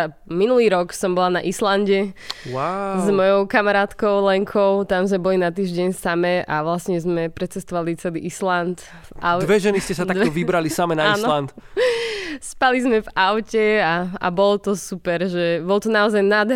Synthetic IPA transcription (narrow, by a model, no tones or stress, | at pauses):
minuliːɾɔksɔmbɔlana̰ʔislanɟɛwazmɔjɔʊkamaɾaːt̪kɔʊlɛŋkʰɔʊt̪amzmɛbɔlinat̪iːʒɟɛɲsamɛʔa̰ʋlasɲɛzmɛpɾɛt͡sɛst̪ɔʋalit͡sɛliːʔislant̪ | ʔaʊd̪ʋɛʒɛniscɛsatd̪ad̪ɔʋibɾalisamɛnaaiːnsɔlant̪ | spalizmɛvaʊcɛaa̰bɔlɔt̪ɔsupɛɾʒɛbɔlt̪ɔnaɔzajnad̪